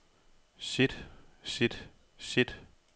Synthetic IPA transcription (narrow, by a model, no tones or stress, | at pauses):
sid̥sid̥ | sid̥